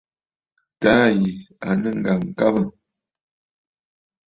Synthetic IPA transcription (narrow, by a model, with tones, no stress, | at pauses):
taː˦ji˨a˨nə˦ŋ̩˨ɡa˨m˨ka˦bə˨